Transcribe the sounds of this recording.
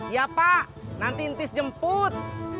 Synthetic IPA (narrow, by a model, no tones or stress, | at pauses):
japaʔ | nant̪int̪ɪsd͡ʒəmpʊt̪̚